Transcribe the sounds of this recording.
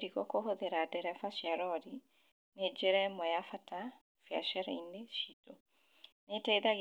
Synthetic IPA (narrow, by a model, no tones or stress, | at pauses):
ɾiɣɔkohoðeɾadɛɾɛfaʃjaɾɔɾi | ned͡ʒeɾɛmɔjafata | fja̰ʃaɾɛineʃito | netaiðaɣ